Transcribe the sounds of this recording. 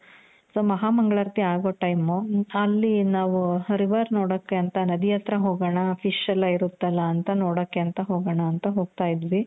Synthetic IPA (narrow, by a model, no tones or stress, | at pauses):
soːmɐɦaːmɐŋɡɐɭɐɾt̪iaːɡoːʈɐjmuɐlːinaːʋuɾiʋɐɾnoːɽokːeɐnt̪ɐnɐd̪ijɐt̪ɾɐɦoːɡɐɳɐpʰiʂɐlɐiɾut̪ːɐlːɐːnt̪ɐnoːɽokːeɐnt̪ɐɦoːɡɐɳɐːnt̪ɐɦo̞ːɡ̚t̪aːjid̪ʋi